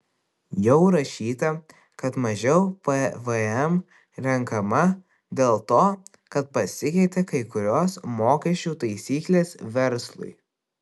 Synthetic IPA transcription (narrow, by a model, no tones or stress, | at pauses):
jɛʊɾɐʃʲiːt̪ɐ | kɐt̪mɐʒʲɛʊpɐʋəɛm | ɾʲɛŋkɐmɐ | d̪ʲeːlˠt̪oː | kɐt̪̚pɐsʲɪkʲɛɪt̪ʲekɐɪkʊɾʲoːsmoːkʲɛʃʲt͡ʃʲuːt̪ɐɪsʲiːklʲeːsʋʲɛɾslˠʊ̰ɪ